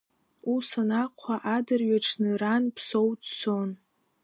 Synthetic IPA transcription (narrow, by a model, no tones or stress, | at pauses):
usanaqʷʰaʔadɨrɥaʈ͡ʂʰnɨranpʰso̞wdso̞n